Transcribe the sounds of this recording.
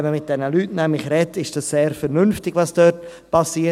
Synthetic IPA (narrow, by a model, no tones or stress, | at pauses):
ɛməmɪt̚d̥ɛnəlyːtnɛmlɪçɾɛtɪʃd̥ɑsseːɾfɛɾnʏnftɪɡ̥ʋɑsd̥øːt | pʰɑsiːə